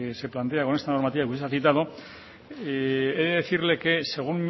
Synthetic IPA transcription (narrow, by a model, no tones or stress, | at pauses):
seplant̪e̞ako̞net̪ano̞ɾmat̪iβakuesaθit̪að̞o | eðeðeθiɾle̞ke̞se̞ɣ̞umm